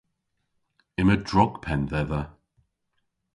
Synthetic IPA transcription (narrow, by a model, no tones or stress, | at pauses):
ɪmədɹɔɡ̥pʰɛnðɛðə